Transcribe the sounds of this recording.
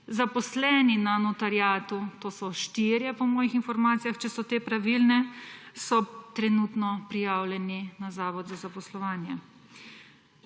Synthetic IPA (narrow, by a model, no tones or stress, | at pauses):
zapɔslɛːninanɔt̪aɾjaːt̪ut̪oːsɔʃt̪iːɾjɛpɔmɔːjixinfɔɾmaːt̪sijaxt͡ʃɛsɔt̪eːpɾaʋilnɛ | sɔt̪ɾɛnut̪nɔpɾijaːwljɛninazaːʋɔd̪zazapɔslɔʋaːnjɛ